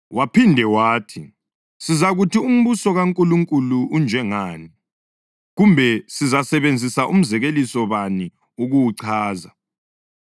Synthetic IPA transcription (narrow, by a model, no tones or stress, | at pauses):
wapʰindʱɛwaːtʰi | sizaɣutʰium̩βusɔɣaŋkʼuluŋkʼuluʔund͡ʒʱɛŋaːni | ɣumbʱɛsizasɛβend͡zʱisaʔum̩zɛɣelisɔβani | uɣuwuǀʰaːza